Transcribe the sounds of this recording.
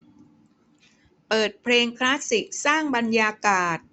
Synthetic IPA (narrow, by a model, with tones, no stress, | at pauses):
pɤː˨˩t̪̚pʰleː˧ŋkʰlaː˦˥si˨˩k̚saː˥˩ŋba˧njaː˧kaː˨˩t̪̚